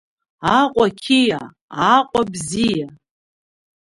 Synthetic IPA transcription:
aqʷʼakʲʰija | aqʷʼabzija

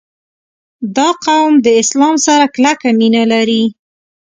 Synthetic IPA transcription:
d̪ɑqawmd̪əɪslɑmsaɾaklakaminalaɾi

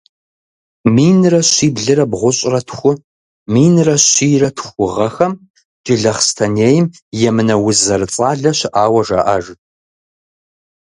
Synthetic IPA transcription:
miːnrɐɕiːbɮɨrɐbʁʷʊɕʼrɐtʰxʷʊ | miːnrɐɕiːrɐtʰxʷʊʁɐxɐm | d͡ʒɪɮɐχstʰɐneːjɪm | jɛmɨnɐwʊzɐrɨt͡sʼaːɮɐɕɪʔaːwɐʐɐ̰ʔɐʐ

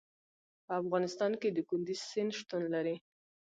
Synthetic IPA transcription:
pəafɣɑnɪst̪ɑnked̪əkʊnd̪izsɪnʃt̪unlaɾi

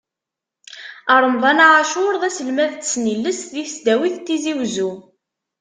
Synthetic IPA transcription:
əɾˤəmðˤɑnaʕaʃʊɾðæsəlmæðt͡sːt͡sːnilːəsðiθsd̪æwiθt̪ːiziwzu

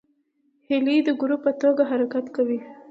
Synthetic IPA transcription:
hɪlid̪əɡuɾupːət̪oɡaɦaɾakat̪kawi

